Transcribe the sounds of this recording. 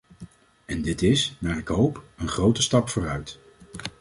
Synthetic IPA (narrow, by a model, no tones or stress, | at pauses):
ɛndɪtɪsnaːɹɪkɦowpənχrowtəstɑpfʊːrœɥt